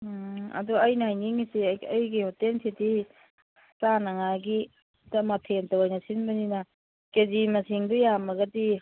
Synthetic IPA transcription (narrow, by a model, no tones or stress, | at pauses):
ɐ̰duɐjnaajniŋisiɐjɡiotensʰiti | sanaŋaɡi | dɐmɐpʰentawajnɐsinbɐninɐ | kezimɐsiŋdujamɐɡɐdi